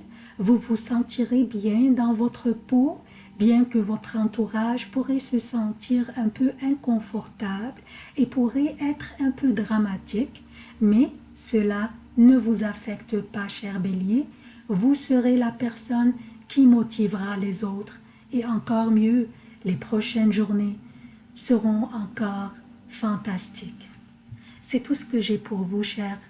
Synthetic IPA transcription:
vuvusɑ̃t̪iʁebjɛ̃d̪ɑ̃vɔt̪χəpo | bjɛ̃kəvɔt̪χɑ̃t̪uʁaʒpuʁɛsəsɑ̃t̪iʁɛ̃pøʔɛ̃kɔ̃fɔʁt̪abl | epuʁɛʔɛt̪χɛ̃pød̪ʁamat̪ik | mɛ | səla | nəvuzafɛkt̪paʃɛʁbelje | vusəʁelapɛʁsɔnkʰʲimɔt̪ʰivʁalezot̪χ | eɑ̃kɔʁmjølepχɔʃɛnʒuʁne | səʁɔ̃ɑ̃kɔːʁ | fɑ̃t̪ast̪ik | sɛt̪usə̥kəʒɛpʰuʁvuʃɛːʁ

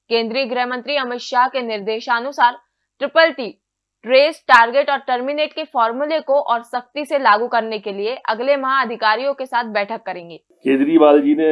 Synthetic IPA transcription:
kẽːnd̪ɾiːəɡɾɛɦmə̃nt̪ɾiɐmɪt̪ʃaːɦkenɪɾd̪eːʃaɐnʊsaːɾ | ʈɾɪpəlʈi | ʈɾeːsʈaːɾɡeːʈɔːɾʈɐɾmɪneːʈkefɔːɾmulekoʔɔːɾsɐx̚t̪iselaːɡukɐɾnekelieʔɐɡlemɐɦãɐd̪ʱɪkaːɾijõkesaːt̪̚ʰbɛːʈʰəkːɐɾẽːŋɡeːkẽːnd̪ɾiːʋaːld͡ʒiːne

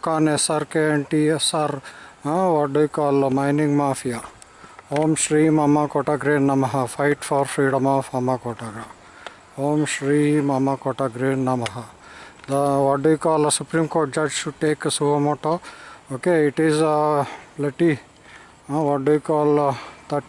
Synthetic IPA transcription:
d̪kanesaɾkeeɳʈiesaɾaʋaɖuikɔːlmaɪnĩŋɡmaːfija | hoːmʃɾimamakoʈaɡɾẽːnːɐmaɦafaɪʈfɔɾfɾiːɖəmɔːfamakoʈaɡɾa | hoːmʃɾimamakoːʈaɡɾẽːnnɐmaɦa | d̪əʋɔɖujkɔːlsupɾĩmkoːɾʈ̚d͡ʒɐd͡ʒʃuʈeːksumoʈookeɪʈiz | pleʈĩ | ʋɔɖuikɔːlt̪ɐʈ

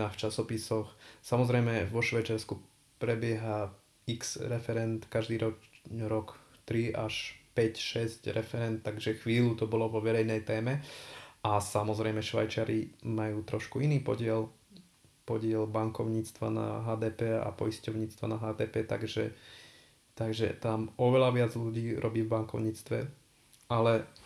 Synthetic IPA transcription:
aft͡ʃasɔpisɔxsamɔzɾɛjmɛʋɔʃʋajt͡ʃaɾsku | pɾɛbɪɛɦa | iksɾɛfɛɾɛnt̪kaʒd̪iːɾɔɾɔk | t̪ɾiaʃpɛcʃɛscɾɛfɛɾɛnt̪tːaɡʒɛxʋiːlut̪ɔbɔlɔʋɔʋɛɾɛjnɛjt̪ɛːmɛʔasamɔzɾɛjmɛʃʋa̰jt͡ʃɪaɾimajuːt̪ɾɔʃkuiniːpɔ̰ɟɪɛl | pɔɟɪɛlbaŋkɔʊɲiːt͡st̪ʋa̰na̰ɦaːd̪ɛːpɛːa̰pɔjiscɔʊɲiːt͡st̪ʋa̰naɦaːd̪ɛːpɛːt̪a̰ɡʒɛ̰ | t̪aɡʒɛ̰t̪amɔʋɛlaʋɪad͡zʎuɟiːɾʔɔbiːvbaŋkɔʊɲiːt͡st̪ʋɛ̰ | ʔalɛ

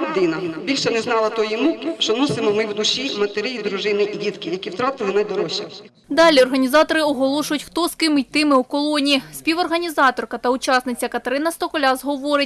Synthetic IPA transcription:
d̪ɪnɐbʲilʲʃɛnɛznɑlˠɐt̪ɔjimukɪʃt͡ʃɔnɔsɪmɔmɪwd̪uʃimɐt̪eɾɪjid̪ɾuʒɪnɪʔidʲit̪kɪjɐkʲiwt̪ɾɑt̪ɪlˠɪnɐd̪ɔɾɔʃʲi | d̪ɑlʲiɔrɦɐnʲizɑt̪ɔɾɪɔɦɔlˠɔʃʊjʊtʲxt̪ɔskɪmɪt̪ɪmɪukɔlˠɔnʲisʲpʲiʋɔrɦɐnʲizɑt̪ɔrkɐt̪ɐut͡ʃɑsnɪt͡sʲːɐkɐt̪ɐɾɪnɐst̪ɔkɔlʲazɦɔʋɔɾɪt̚ʲ

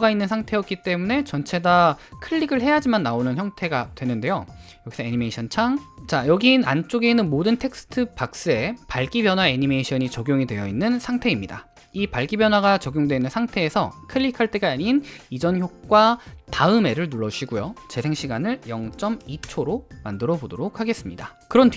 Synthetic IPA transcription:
ɡainːɯnsʰaŋtʰe̞ʌk̚k͈it͈e̞mune̞t͡ɕʌnt͡ɕʰe̞dakʰɯʎːiɡɯɭɦe̞jad͡ʑimanːaonɯnçjʌŋtʰe̞ɡatwe̞nɯnde̞jo | jʌɡisʰʌeɲimeɕʰʌnt͡ɕʰaŋt͡ɕajʌɡinant͡ɕ͈oɡe̞inɯnmodɯntʰe̞k̚s͈ɯ̥tʰɯpak̚s͈ɯe̞paɭk͈ibjʌnɦwaeɲime̞iɕʰʌɲit͡ɕʌɡjoŋidwe̞jʌinːɯnsʰaŋtʰe̞imɲida̰ | ipaɭk͈ibjʌnɦwaɡat͡ɕʌɡjoŋdwe̞nɯnsʰaŋtʰe̞ːsʰʌ̰kʰɯʎːikʰaɭt͈e̞ɡaːɲinid͡ʑʌnçjok̚k͈wataɯme̞ɾɯɭnuɭːʌd͡ʑuɕʰiɡujot͡ɕe̞sʰe̞ŋɕʰiɡanɯɭjʌŋt͡ɕ͈ʌmit͡ɕʰoɾomandɯɾʌbodoɾok̚hʰaɡe̞s͈ɯmɲidakɯɾʌn

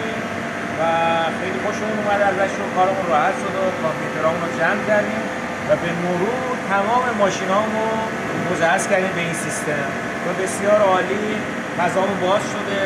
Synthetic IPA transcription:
im | væxe̞jliːxoʃemunumæd̪eælvæt̪ʃokʰɒːɾeũnrɔːhæt̪ʃod̪okʰompʰjut̪ʰe̞ɾɒːmunɾod͡ʒæmd̪æɾd̪iːm | væbe̞moɾuːɾt̪ʰæmɒːme̞mɒːʃiːnɒːmo | mozæhæskʲæɾd̪iːmbe̞iːnsist̪e̞m | væbe̞sijɒːɾɒːliː | fæzɒːmubɒːz̥ʃod̪e̞

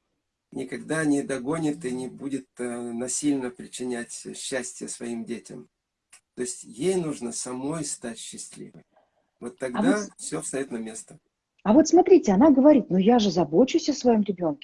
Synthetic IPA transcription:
nʲɪkɐɡd̪anʲɪd̪ɐɡo̞nʲɪt̪ɨnʲɪbudʲɪt̪̚nɐsʲilʲnəpɾʲɪt͡ɕːɪnʲætʲɕːæsʲtʲɪjəsvɐimdʲetʲɪ̰m | t̪o̞sʲtʲjejnuʐnəsɐmo̞jst̪atʲɕːɪsʲlʲḭvɨj | vo̞t̪ːɐɡvd̪afsʲofst̪ɐjot̪nɐmʲe̞st̪ə̥ | ɐvo̞t̪smɐt̪ɾʲitʲɪɐnaɡəvɐɾʲit̪nojaʐɨzɐbo̞t͡ɕʊsʲəsvɐjo̞mɾʲɪbʲo̞nkʲɪ

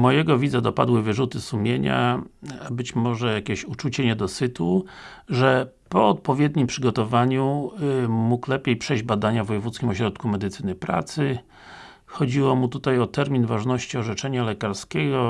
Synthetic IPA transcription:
mɔjɛɡɔvʲid̪zɛd̪ɔpa̰d̪wɘvɘʐut̪ɘsumʲjeɲa̰abɘt͡ɕmɔʐɛjakʲeɕut͡ʂut͡ɕɛɲɛd̪ɔsɘt̪u | ʐɛ | pɔɔt̪̚pɔvʲjɛd̪ɲimpʂɘɡɔt̪ɔvaɲu | muklɛpʲjejpʂɛjʑd͡ʑbad̪aɲavɔjɛvut̪skʲimɔɕɾɔt̪kumɛd̪ɘt̪sɘnɘpɾa̰t̪sɘ | xɔd͡ʑiwɔmut̪ut̪ajɔt̪ɛɾmʲinvaʐnɔɕt͡ɕiɔʐɛt͡ʂɛɲalɛkaɾskʲɛɡɔ

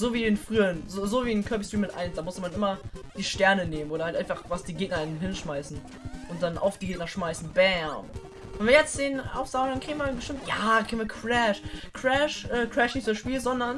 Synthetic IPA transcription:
zoːviːdeːnfʁ̥yːənzoːzoːviːnkʰœɐbistʁ̥iːmɪtʔa̰ɪnsd̥aːmʊstəmanʔɪmɐd̥iːʃtɛɐnəneːmən̩oːɾɐhaltʔaɪnfaχvasd̥iːɡeːk̚nɐɪnɦɪnʃmaɪsn̩ | ʔʊnt̚d̥anʔa̰ʊfd̥iːɡeːk̚nɐʃmaɪsn̩bɛm | vɛnviɐjɛt͡stz̥eːnʔa̰ʊfz̥aʊɡŋdankʁ̥iːɡn̩viːɐbəʃtɪmtjaːkʰʁiɡn̩viːɐkʰʁɛʃkʰʁ̥ɛʃʔɛːkʰʁ̥ɛʃnɪçtz̥ʊdɐsʃpiːlzɔndɐn

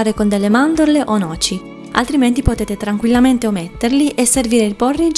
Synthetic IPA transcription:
aːɾekond̪elːemand̪oɾleʔonɔːt͡ʃi | a̰lt̪ɾiment̪ipot̪eːt̪et̪ɾaŋkwilːament̪eomet̪ːerliʔeserviːɾeilporːid͡ʒ

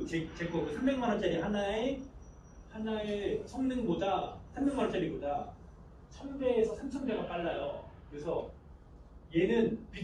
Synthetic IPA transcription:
t͡ɕet͡ɕek͈ʌkɯsʰambe̞ŋmanɦat͡ɕ͈aɾihanae | hanaesʰʌŋnɯŋbodasʰannɯŋmanɦat͡ɕ͈aɾiboda | t͡ɕʰʌmde̞ːsʰʌsʰamt͡ɕʰʌŋde̞ɡap͈aɭːajokkɯɾesʰʌ | jenɯnpi

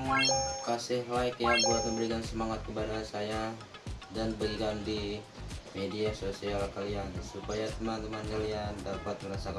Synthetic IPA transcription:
kasɪhlajkjaŋbuat̪̚məmbəɾikansəmaŋat̪̚kəpadasaja | danbəɡikandi | mediasosialkaliansupajat̪əmant̪əmankaliandapat̪̚məɾasaka

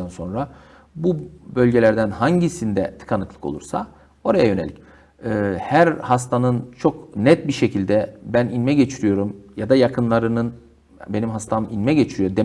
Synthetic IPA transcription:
ænso̞nɾa | bubø̞lʲɟe̞lʲæɾd̪ænhaɲɟisind̪ɛt̪ʰɯ̥kʰanɯklˠɯkolˠṵɾsa̰ | o̞ɾajajø̞ne̞lʲi̥̰c | ɯːhæɾhast̪ʰanɯnt͡ʃʰo̞knɛt̪̚biɾʃe̞cʰilʲd̪ɛbæninmɛɟe̞t͡ʃʰiɾijo̞ɾumjad̪ajakʰɯnlˠaɾɯnɯn | benimɦast̪ʰaminmɛɟe̞t͡ʃʰiɾijo̞d̪e

